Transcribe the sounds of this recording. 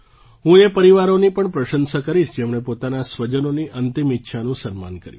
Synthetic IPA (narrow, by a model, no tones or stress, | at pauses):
ɦũepəɾiʋaɾonipəɳpɾəʃənsakəɾiʃd͡ʒemɳ̃epot̪anasʋəd͡ʒənoniʔənt̪imitːʃʰanũsənma̰nkəɾjũ